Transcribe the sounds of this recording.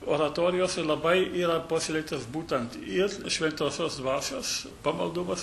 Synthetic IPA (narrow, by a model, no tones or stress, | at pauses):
oːɾɐt̪oːɾʲɪjoːsʲɛlˠɐbɐɪʔiːɾɐpoːsʲɪlʲɛɪkt̪osbuːt̪ɐnt̪ɪɾʃʲʋʲɛnt̪oːsʲoːsd̪ʋɑːsʲoːs | pɐmɐlˠd̪ʊmɐs